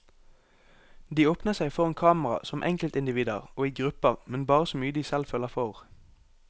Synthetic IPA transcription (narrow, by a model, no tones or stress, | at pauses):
d̪iːoːpnəsæɪfɔʁeːnkʰɑːməʁɑ̰sɔmʔɛ̰ŋkəlt̪ɪnd̪ɪʋiːd̪əʁoːiːɡʁʉpəʁmɛnbɑːʁəsɔmyːəd̪iːsɛlføːləfɔʁ